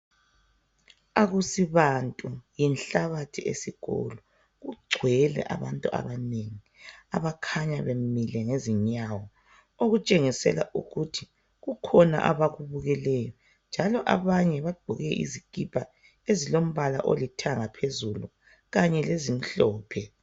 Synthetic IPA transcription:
aɣusiβantʼujinɬaβatʰiḛsiɣɔ̰lɔ | ɣuɡ͡ǀʱwɛlɛ̰ʔa̰βantʼua̰βaneŋi | aβakʰaɲaβemmilɛŋeziɲawɔ | oɣut͡ʃʼeŋisɛ̰la̰ʔṵɣutʰi̥ | ɣukʰɔna̰ʔa̰βaɣuβuɣɛlɛjɔ | nd͡ʒʱalɔʔaβaɲɛβaɡ͡ǃʱuɣɛʔḭzikʼipʰʼa | ezilom̩βala̰ʔo̰litʰaŋapʰezulu | ɣaɲɛlezim̩ɬɔːpʰɛ

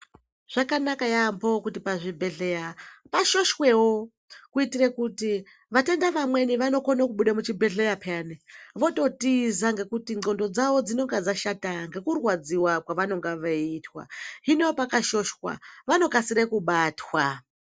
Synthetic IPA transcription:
ʐ̥akanakajambokutipaʐibʱe̞ɮejapaʃo̞ʃwe̞wo | kuitirekuti | ʋate̞ndaʋamwe̞niʋano̞konakuɓuɗamut͡ʃibʱe̞ɮejapʰaneʋo̞to̞tizaŋɡe̞kutiŋŋ͡ǀo̞ndo̞d͡zaʋo̞d͡zino̞ŋɡad͡zaʃataŋɡe̞kurwad͡ziwakwaʋano̞ŋɡaʋaitwa̰ɦineopakaʃo̞ʃwa̰ʋano̞kasiɾekuɓaːtʰwa

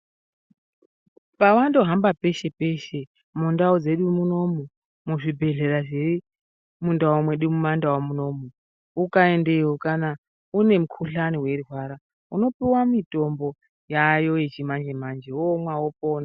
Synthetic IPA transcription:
pawando̞ɦambape̞ʃe̞pe̞ʃe | mundaod͡ze̞ɗumuno̞mu | muʐibʱe̞ɮe̞raʐei | mundawomweɗumumandawomuno̞mu | ukae̞ndeiwokana | une̞mukʰuɬaniwe̞ruwaɾa | uno̞piwamito̞mbo̞ | jajo̞jet͡ʃimand͡ʒe̞mand͡ʒe̞omwawopoːna

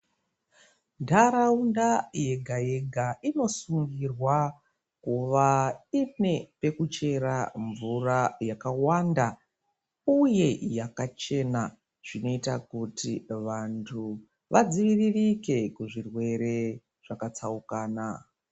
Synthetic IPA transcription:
ndaɾaundaje̞ɡʱaje̞ɡʱaino̞suŋɡirwa | kuʋaine̞pe̞kut͡ʃe̞ɾaɱvurajakawanda | uje̞jakat͡ʃe̞na | ʐino̞itakutiʋantʰu | ʋad͡ziʋiririke̞kuʐirwe̞ɾe̞ | ʐ̥akat͡saukaːna

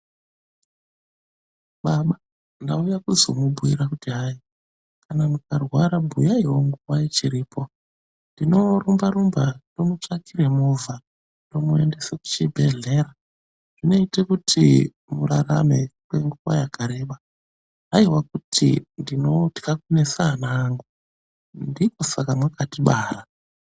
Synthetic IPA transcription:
ɓaɓa | ndaujakuzo̞̰mubʱuḭɾakutiɦai | kʰanamukarwaɾabʱujaiwo̞ŋɡuwait͡ʃiɾiːpʰo̞ | ndino̞rumbaɾumbado̞mut͡ʂakiɾe̞movʱa | to̞mue̞ndeseku̥t͡ʃibʱe̞ɮe̞ɾa | ʐ̥ino̞itekutʰi | murara̰me̞kwe̞ŋɡuʋa̰jakʰaɾe̞ːɓa | ɦaiwak̚utʰḭndinoti̥kakune̞saːnaːŋɡu | ndikosakamwakatiɓaːɾa

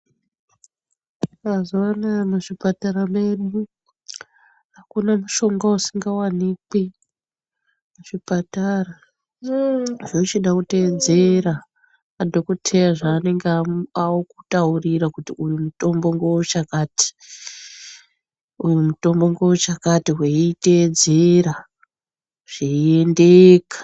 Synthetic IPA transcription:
azowanamaʐipataɾameɗu | akunamuʃo̞ŋɡwausiŋɡawaniki | muʐipatara | ʐot͡ʃiɗakute̞d͡zeɾa | adʱokotʰejaʐaːne̞ŋɡaawoku̥tauriɾakutiujumuto̞mbo̞ŋɡowot͡ʃakaːti̥ | ujumuto̞mbo̞ŋɡo̞wot͡ʃakatiɦweite̞ːd͡ze̞ɾa | ʐ̥iendeːkḁ

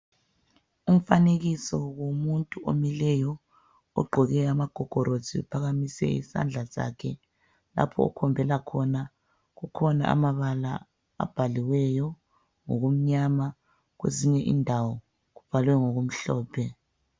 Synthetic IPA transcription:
um̩faneɣisɔɣomuntʼuomilɛjɔ | ɔ̰ɡ͡ǃʱɔɣɛamaɡ̥ʱɔɡ̥ʱɔɾʔozʱiṵpʰaɣamisɛ̰ḭsa̰nd͡ɮʱaza̰kʰɛ | la̰pʰɔ̰ɔ̰kʰɔmbʱɛlakʰɔna | ɣukʰɔna̰a̰maβala | a̰b̥ʱaliwɛjɔ | ŋoɣum̩ɲama | ɣwḛziɲɛʔḭndʱawɔ | ɣub̥ʱalwɛŋoɣum̩ɬɔːpʰɛ

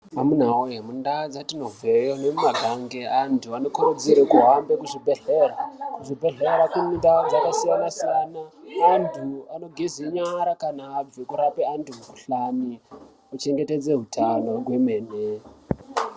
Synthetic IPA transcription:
amun̤aoɦemundad͡zatino̞ve̞jonemumaɡʱaŋɡeantʰuano̞kuɾud͡ziɾekuɦambe̞kuʐibʱe̞ɮeɾakuʐibʱe̞ɮeɾakunidad͡zakasijanasijanaːntʰuano̞ɡʱeziɲaɾakanaːb͡vikuɾapeantumuuɬani | ot͡ʃe̞ŋɡe̞te̞d͡ze̞ɦutʰano̞rwemeːne

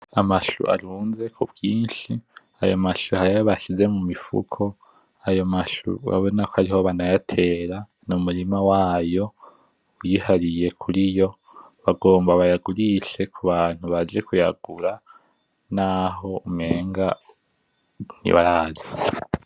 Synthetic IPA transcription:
amaʃṵʔa̰ɾuːnze̞kʰubɡiːnʃi | ajomaʃuhaɾijoβaʃize̞mumifṵkʰo̞ | ajo̞maʃṵa̰βo̞nakohaɾiho̞βanajatʰe̞ːɾa | numuɾimawaːjo̞ | wjihaɾije̞kʰuɾijo̞ | βaɡo̞ːmbaβajaɡuɾiʃe̞kʰuβaːn̥huβad͡ʒe̞kujaɡ̥uɾa | naɦo̞ume̞ːŋɡa | nḭβaɾaːzi

